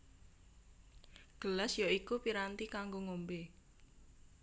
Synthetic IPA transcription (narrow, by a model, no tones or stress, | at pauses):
ɡ̥əlasjoikupiɾant̪ikaŋɡoŋombe